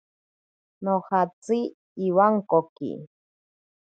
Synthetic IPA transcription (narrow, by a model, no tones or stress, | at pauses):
nohat͡siː | waŋkokḭ